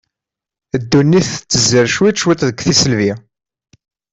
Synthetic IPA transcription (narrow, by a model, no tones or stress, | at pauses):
əd̪ːunːiθət͡sːəzəɾʃwiʃwit̪ˤðəɡʷθisəlvi